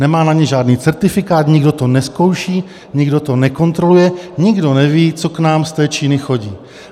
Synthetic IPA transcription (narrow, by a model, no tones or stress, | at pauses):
nɛmaːnaɲɛʒaːdniːt͡sɛɾt̪ɪfɪkaːt̪ɲɪɡdo̞t̪o̞nɛsko̞wʃiː | ɲɪɡdo̞t̪o̞nɛko̞nt̪ɾo̞lujɛɲɪɡdo̞nɛviːt͡soknaːmst̪ɛːt͡ʃiːnɪxo̞ɟiː